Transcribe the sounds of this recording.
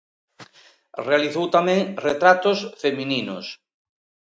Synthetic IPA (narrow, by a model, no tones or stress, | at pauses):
realiθowt̪amɛ̃ŋret̪ɾat̪ʊsfemininʊ̰s